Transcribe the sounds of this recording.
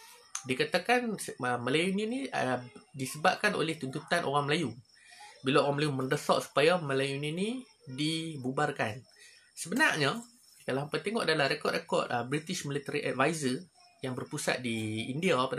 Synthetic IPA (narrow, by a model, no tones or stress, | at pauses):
dikat̪akanəməlajuniniədisəbap̚kanʔo̰lɛht̪unt̪ut̪anʔo̰ɾaŋməlaju | bilaoɣaŋməlajumə̃ndəsɔ̰ʔsu̥pajaməlajunĩni | dibubarkan | səbənarɲa | kalahampat̪eŋɔʔadalahrekɔt̪ʔ̚rekɔ̰t̪̚əbɾit̪iʃmilit̪əɾiʔa̰t̪̚vajzər | jaŋbərpusa̰t̪̚diːndiapad